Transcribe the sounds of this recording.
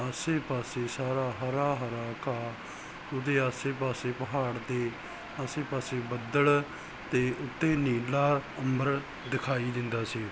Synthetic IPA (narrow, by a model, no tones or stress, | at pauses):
əseːpaːseːsaːɾaːɦəɾaːɦəɾaːkaː | ʊd̪eːaːseːpaːseːpəɦaːɽd̪eː | aːseːpaːseːbəd̪əɽ | t̪eːʔʊt̪ːeːniːlaːəmbəɾ | d̪ɪkʰaːiːd̪ɪnd̪aːsiː